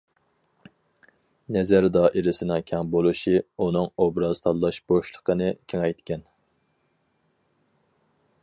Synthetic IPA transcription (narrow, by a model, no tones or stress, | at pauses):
nɛzæɾd̪ɑʔeɾɪsɪnɪŋkʲʰɛŋbolˠuʃiunɨŋobɾɑz̥t̪ʰɑlˠːɑʃb̥oʃlˠə̥qʰənɨkʲʰeŋɛjt̪kʲʰɛn